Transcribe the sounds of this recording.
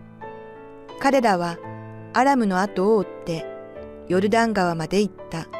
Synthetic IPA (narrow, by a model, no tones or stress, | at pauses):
kaɾe̞ɾaβa | aɾamɯ̟no̞at̪o̞ːt̪ːe̞ | jo̞ɾɯ̟d̪ãŋɡaβ̞amad̪e̞it̪ːa